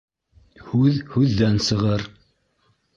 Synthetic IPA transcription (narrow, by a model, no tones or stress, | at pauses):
hʉðhʉðːænsɤ̆ʁɤɾ